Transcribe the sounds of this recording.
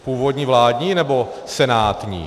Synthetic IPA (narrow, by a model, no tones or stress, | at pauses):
puːvodɲiːvlaːdɲiːnɛbo̞ | sɛnaːt̪ɲḭː